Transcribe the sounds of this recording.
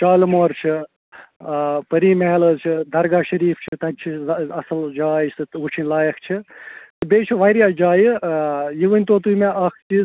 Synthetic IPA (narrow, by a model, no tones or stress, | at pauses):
t͡ʃaːlmoːɾt͡ʃʰi | pɐɾiːmeːlɐzt͡ʃʰid̪ɐɾɡaːʃɐɾiːft͡ʃʰit̪ɐnʲt͡ʃʰiɐsɐld͡ʒaːjsɨut͡ʃʰinʲlaːjɐkʰt͡ʃʰit̪ɨbeːt͡ʃʰiʋaːɾjaːd͡ʒaːjijiʋənʲt̪oːt̪ujmeʔɐkʰt͡ʃiz